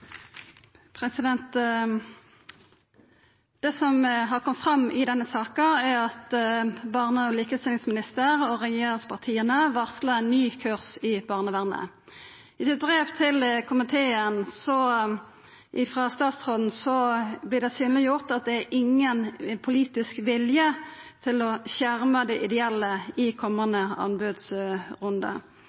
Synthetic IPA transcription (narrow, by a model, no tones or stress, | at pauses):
pʰʁɛsɪd̪ɛnt̪ | d̪̥ɛsɔmɦɑʁkʰɔmt̪fʁɑmːɪd̪ɛnːəsɑːkəæʁɑt̪bɑʁnəɔliːkəst̪ɪlɪŋsmɪnɪst̪əɾɔʁɛjeːɾɪŋspʰɑʁt̪ʰiːənəʋɑʁslənːyːkʰʉʁsɪbɑːʁnəʋæʁnə̰ | ɪsɪt̪̚bʁeːʋt̪ʰɪlkʰʊmɪt̪ʰeːənsɔ | ʔɪfʁɑst̪ɑːt̪sʁoːd̪n̩sɔblɪʁd̪ɛsyːnəlɪjʊʁt̪ɑt̪̚d̪ɛæɾʔɪŋːənpʰʊliːt̪ɪskʋɪljət̪ʰɪlɔɕæʁməd̪ɛʔɪd̪ɛɛlːəɪkʰɔmːɑnd̪əɑ̰nbʉːd̪sʁʊnd̪ɑ̰